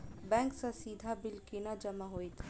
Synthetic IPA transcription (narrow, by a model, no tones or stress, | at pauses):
bɛ̃ːŋksasiːd̪ʱabɪlkinad͡ʒɐmaɦoːit̪ʰ